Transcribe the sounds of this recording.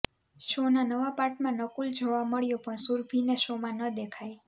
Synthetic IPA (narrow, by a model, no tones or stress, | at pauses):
ʃonanəʋapaɾʈmãnəkuld͡ʒʱoʋaməɭjopəɳsuɾbʱinesomãnəd̪ekʰaj